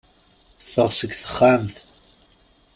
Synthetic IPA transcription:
θəfəʁsəɡθə̥χːamθ

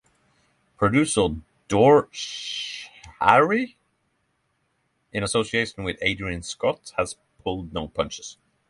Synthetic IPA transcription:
pʰɹ̥ədʉsə | d̥ɔɹʃʃ | a̰ɹi | ɪ̃ñəsosieɪʃə̃n̩wɪðeɪdɹə̃nskɔtshəz̥ | pʰʊlˠdⁿnõʊpʰʌ̃nt͡ʃɪz̥

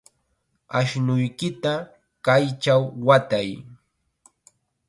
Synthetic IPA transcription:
aʃnʊjkɪt̪a | kajt͡ʃawːat̪aj

